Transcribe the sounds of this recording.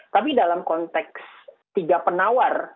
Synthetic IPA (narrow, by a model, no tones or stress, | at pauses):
t̪ap̬idalamkɔnt̪ɛks | t̪iɡapənawar